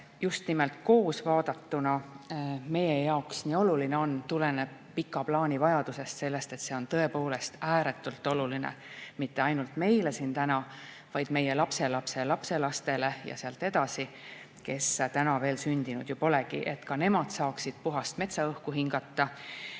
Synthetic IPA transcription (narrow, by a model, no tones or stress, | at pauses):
just̪nimelt̪ko̞ːsvɑːd̪̥ɑt̪ːunɑ | me̞je̞jɑoksniːo̞lulineo̞nt̪ule̞neb̥̚ | pikːˑɑplɑːnʲivɑjɑd̪̥use̞st̪se̞lːe̞st̪e̞t̪se̞o̞nt̪ɤ̞e̞po̞ːle̞st̪æːɾe̞t̪ːˑult̪ːˑo̞lulinḛmit̪ːe̞ɑjnult̪me̞jle̞sint̪ænɑ | vɑjd̪̥me̞je̞lɑpse̞lɑpse̞lɑpse̞lɑst̪e̞le̞jɑ̰seɑlt̪ːˑe̞d̪̥ɑsi | ke̞st̪ænɑve̞ːlsynʲd̪̥inud̪̥jupo̞le̞ɡḭʔe̞t̪kɑne̞mɑd̪̥sɑːksid̪̥puɦɑst̪me̞t̪sɑɤhkuɦiŋɡ̥ɑt̪ːɑ